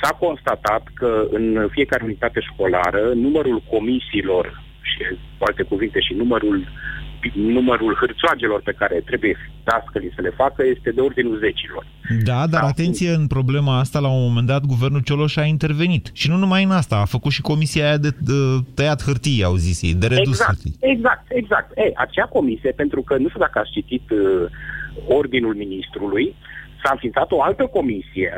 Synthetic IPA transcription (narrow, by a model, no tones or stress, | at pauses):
sako̞nst̪at̪at̪kəɨnfije̞kaɾe̞unit̪at̪e̞ʃko̞la̰ɾənuməɾulko̞misiːlo̞r | ʃi | kualt̪e̞kuvint̪e̞ʃinuməɾul | numəɾulhɨrt̪soad͡ʒelo̞rpe̞kaɾe̞t̪ɾe̞buje̞fit̪askəlisəle̞fakəje̞st̪e̞d̪e̞o̞rd̪inʲulze̞t͡ʃilo̞̰rd̪ad̪aɾat̪e̞nt̪sijeɨnpɾo̞ble̞maast̪alaunmːo̞me̞nd̪at̪ɡuve̞rnult͡ʃo̞lo̞ʃaint̪e̞rve̞nit̪ʃinunumajɨnast̪aːfəkut̪ʃiko̞misiaːjad̪e̞ət̪əjat̪xɨrt̪ijauzisjḛjd̪e̞ɾeusɨrt̪ḭjeɡzak̚t̪e̞ɡzak̚t̪eʔa̰t͡ʃeako̞misije̞pe̞nt̪ɾukənuʃt̪ud̪akəat̪st͡ʃit̪it̪ | o̞rd̪inulminist̪ɾulujsaɨnfint̪sat̪o̞alt̪əko̞misijḛ